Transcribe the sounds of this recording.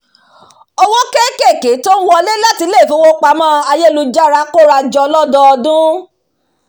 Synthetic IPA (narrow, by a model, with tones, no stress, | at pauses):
ɔ˧wɔ̃˦ke˦ke˦˨ke˨˦to˦wɔ˧le˦la˦ti˧˦le˦˨fũ˨˦wo˦k͡pa˧mãː˦a˧je˦˨lu˧d͡ʒa˦ɾa˧˦ko˦ɾa˧d͡ʒɔ˧lɔ˦dɔ˧dũ˦